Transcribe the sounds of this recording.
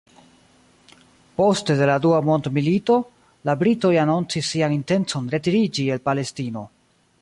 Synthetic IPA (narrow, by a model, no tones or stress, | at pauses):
po̞ste̞de̞laduamo̞ndmilito̞ | labɾito̞janont͡sisːianinte̞nt͡so̞nɾe̞tiɾid͡ʒie̞lpale̞stino̞